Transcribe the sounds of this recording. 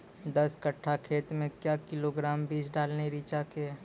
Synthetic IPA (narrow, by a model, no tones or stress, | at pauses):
d̪ɐskɐʈʰːakʰeːt̪mẽkjaːkɪloɡɾaːmbiːd͡ʒɖaːlneɾiːt͡ʃake